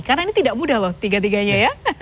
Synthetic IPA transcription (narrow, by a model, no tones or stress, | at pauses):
karnainit̪idaʔmudahlɔht̪iɡat̪̬iɡaɲaja